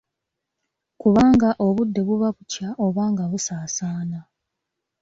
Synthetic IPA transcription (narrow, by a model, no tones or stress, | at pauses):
kuβaːŋɡaʔo̞βudːe̞βuβaβucaʔo̞βaːŋɡaβusaːsaːna